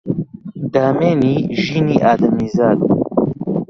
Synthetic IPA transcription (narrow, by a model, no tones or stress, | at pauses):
d̪aːmeːniːʒiːniːʔaːd̪ɐnizaːd̪